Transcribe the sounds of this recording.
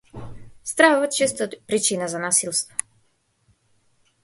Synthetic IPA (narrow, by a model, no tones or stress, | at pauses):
st̪ɾauvat̪t͡ʃist̪apɾit͡ʃinazanasilˠst̪vɔ